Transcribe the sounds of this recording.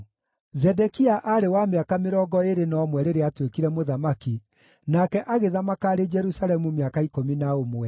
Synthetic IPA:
zɛdɛkiaʔaɾewameakameɾɔɡɔeɾenɔmwɛɾeɾeatwekiɾɛmoðamaki | nakɛʔaɣeðamakaːɾed͡ʒɛɾusalɛmumeakaikominaomwɛ

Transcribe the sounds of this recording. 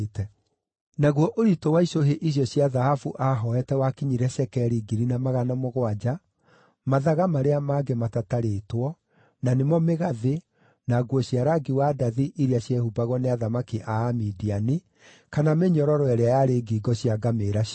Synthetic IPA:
tɛ | naɣwɔʔoɾitowaiɕoɦeʔiɕ̬jɔɕjaðahafuʔaɦɔɛtɛwakiɲiɾɛɕɛkɛɾiɡiɾinamaɣanamɔɣwad͡ʒa | maðaɣamaɾeamaɡematataɾetwɔ | nanemɔmeɣaðe | naɡwɔɕjaɾaɡiwadaðiʔiɾiaɕjɛhubaɣwɔneaðamakiʔaːmidiani | kanameɲɔɾɔɾɔɛɾɛajaɾeːɡiɡɔɕjaɡameɾa

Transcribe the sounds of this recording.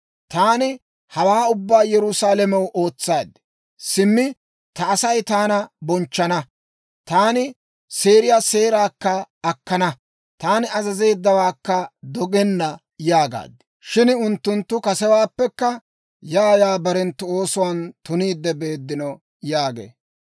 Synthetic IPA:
t̪aːnɪ | hɐwaːʊbːaːjɛɾʊsaːlɛmɛwʔo̞ːt͡sːaːd̪ɪ | sɪmːɪ | t̪ɐːsɐjt̪aːnɐbɔnt͡ʃːɐnɐ | t̪aːnɪ | se̞ːɾɪjaːse̞ːɾaːkːɐɐkːɐnɐ | t̪aːnɪɐzɐze̞ːd̪ːɐwaːkːɐd̪ɔɡɛnːɐ | jaːɡa̰ːd̪ɪ̥ | ʃɪnʊnt̪ːʊnt̪ːʊkɐsɛwaːpːɛkːɐ | jaːjaːbɐɾɛnt̪ːʊo̞ːsʊwaːnt̪ʊniːd̪ːɛbe̞ːd̪ːɪnɔ | jaːɡḛː

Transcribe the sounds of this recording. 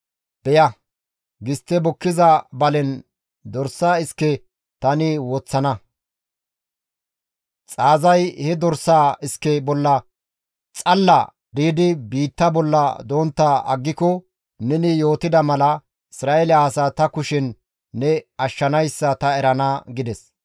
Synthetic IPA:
b̥ɛjɐ | ɡɪst̪ːɛbɔkːɪzɐbɐlɛn | d̪ɔɾsaːɪskːɛ | t̪ɐnɪwɔt͡sːɐnɐ | t͡sʼaːzɐjhɛd̪ɔɾsaːɪskːɛbɔlːɐ | t͡sʼɐlːɐ̰ | d̪iːd̪ɪbiːt̪ːɐbɔlːɐ̰d̪oːnt̪ːɐɐ̰ɡːɪkɔ | nɛnɪjo̞ːt̪ɪd̪ɐmɐlɐ | ɪsɾaːʔelɪaːsaːt̪ɐkʊʃɪnː | ɛɐʃːɐnɐjsːɐt̪ɐɛɾɐnaːɡɪd̪ɛs

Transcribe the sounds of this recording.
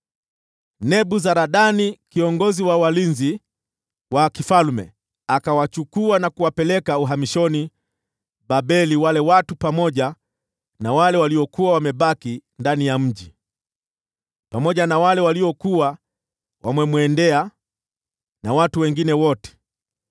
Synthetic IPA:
nɛɓuzaɾaɗanikiɔŋɡɔziwawalinzi | wakifalmɛ̰ | akawat͡ʃukuanakuwapɛlɛkauɦamiʃɔni | ɓaɓɛliwalɛwatupamɔʄa | nawalɛwaliɔkuawamɛɓakindanijam̩ʄi | pamɔʄanawalɛwaliɔkua | wʔamwɛmwɛndɛa | nawatuwɛŋɡinɛwɔtɛ̥

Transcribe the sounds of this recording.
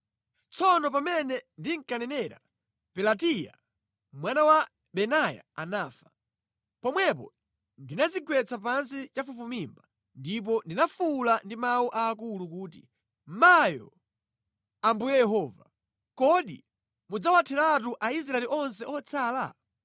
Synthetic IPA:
t͡sɔnɔpamɛnɛndiŋkanɛnɛɾa̰ | pɛlatija̰ | mwanawa | ɓɛnaja̰anaːfḁ | pɔmwɛp̬ɔ̰ | ndinazikwɛt͡sap̬ansit͡ʃafufumimba | ndip̬ɔndinafulandimawuʔaːkulukuːt̬i | majɔ̰ | ambujɛjɛɦɔːva | kɔɗḭ | mud͡zawatʰɛɾat̬uʔais̬ɾaɛliʔɔns̬ɛʔɔt͡sʰaːla̰

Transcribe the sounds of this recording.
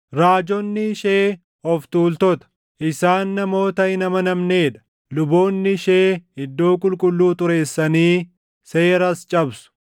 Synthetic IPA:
ɾaːd͡ʒɔnːɪʃeː | ɔft̪uːlt̪ɔt̪ɐ̥ | ʔɪsaːnːɐmo̞ːt̪ɐhɪnɐmɐnɐmne̞ːᶑɐ̥ | lʊbo̞ːnːɪʃe̞ːɪd̪ːo̞ːkʼʊlkʼʊlːuːt̪ʊɾe̞ːsːɐniː | se̞ːɾɐst͡ʃʼɐbsʊ̥

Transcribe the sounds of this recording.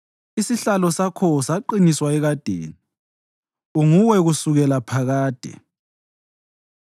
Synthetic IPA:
isiɬalɔsakʰɔsaǃiniswaɛɣad̥ʱḛːni | uŋuwɛɣusuɣɛlapʰaɣaːd̥ʱɛ̰

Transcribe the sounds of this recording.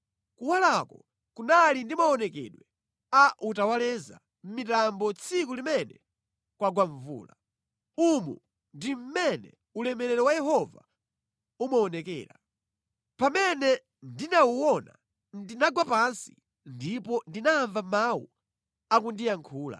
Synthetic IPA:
kuwalakɔ | kunalindimaɔnɛkɛ̰ɗwɛ | aʔutawalɛza̰ | m̩mitambɔt͡sʰik̬ulimɛnɛ | kwaɡwaɱvṵːla | umṵ | ndim̩mɛnɛ̰ | ulɛmɛɾɛɾɛwajɛɦɔva̰ | umaɔnɛkɛ̰ːɾa | pamɛnɛ | ndinauwɔna̰ | ndinaɡwapansi̥̰ | ndipɔndinaːɱvamawṵ | akundijaŋkʰuːla̰

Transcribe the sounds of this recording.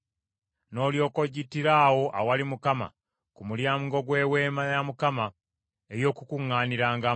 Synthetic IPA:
no̞ːljo̞ːko̞ɟitiɾaːwo̞ʔa̰walimukama̰ | kumuljaːmɡo̞ɡwe̞ːweːmajamukama | ejo̞ːkukuŋːaːniɾaːŋɡa

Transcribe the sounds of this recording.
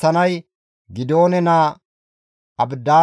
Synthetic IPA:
ɐnɐj | ɡɪd̪o̞ːnɛnaː | ɐbd̪aː

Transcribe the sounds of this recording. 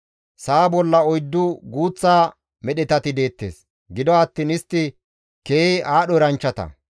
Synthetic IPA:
saːbɔlːɐɔjd̪ːʊɡuːt͡sːaː | mɛɗɛt̪ɐt̪ɪd̪e̞ːt̪ːe̞̰ːs | ɡɪd̪ɔɐt̪ːiːnɪst̪ːɪ | keːʔaːɗɔɾɐnt͡ʃːɐt̪ɐ̰

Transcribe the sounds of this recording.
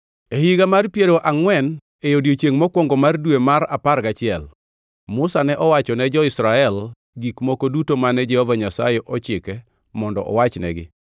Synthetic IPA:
ehiɡamarpjeɾoʔaŋwɛn | ejodjot͡ʃeŋmɔkwɔŋɡɔmardwemaɾaparɡat͡ʃɪɛl | mʊsanɛʔɔwat͡ʃɔnɛd͡ʒɔɪsɾaɛl | ɡikmokodutomanɛd͡ʒɛhovaɲasa̰jɛʔɔt͡ʃɪkɛ | mɔndɔ̰ʔɔ̰wat͡ʃnɛ̰ɡɪ̰

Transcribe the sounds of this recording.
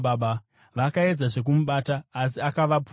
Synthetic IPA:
aɓa | ʋakae̞d͡zaʐe̞k̬umuɓataːs̬iakaʋapu

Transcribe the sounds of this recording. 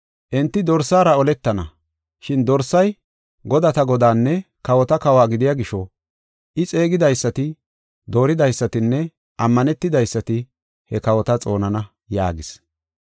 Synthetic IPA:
ʔɛnt̪ːɪd̪ɔɾsːaːɾɐɔlɛt̪ːɐnɐ | ʃɪnd̪ɔɾsːɐj | ɡɔd̪ɐt̪ɐɡɔd̪aːnːɛ | kɐwɔt̪ɐkɐwaːɡɪd̪ɪjaɡɪʃɔ | ʔɪt͡sʼe̞ːɡɪd̪ɐjsːɐt̪ɪ | d̪o̞ːɾɪd̪ɐjsːɐt̪ɪnːɛ | ʔɐmːɐnɛt̪ːɪd̪ɐjsːɐt̪ɪ | hɛkɐwɔt̪ɐt͡sʼo̞ːnɐnɐ | ja̰ːɡɪs

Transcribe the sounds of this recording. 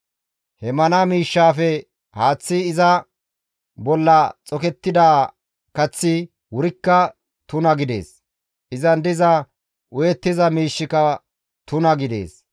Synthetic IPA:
hɛmɐnɐmiːʃːaːfɛ | haːt͡sːɪːzɐ | bɔlːɐt͡sʼɔkɛt̪ːɪd̪aː | kɐt͡sːɪ | wʊɾɪkːɐ | t̪ʊnɐɡɪd̪e̞̰ːs | ʔɪzɐnd̪ɪzɐ | ʔʊjɛt̪ːɪzɐmiːʃːɪkɐ | t̪ʊnɐɡɪd̪e̞̰ːs

